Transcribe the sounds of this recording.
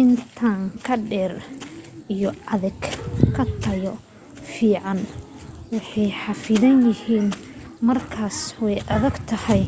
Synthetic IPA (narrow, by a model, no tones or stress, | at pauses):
ʔɪnt̪ʰaːŋkʰɐɖɛːr | ijɔɐðɛɡkʰɐt̪ʰɐjɔ | fiːʕɑnwɑħɑjħɑfɪðɐnjɪhiːnmɐrkʰaːswɛjʔɐðɐɡt̪ʰɐhɐj